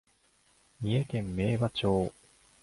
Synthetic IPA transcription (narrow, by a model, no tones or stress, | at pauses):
mʲiekẽ̞mːe̞ːβat͡ɕo̞ː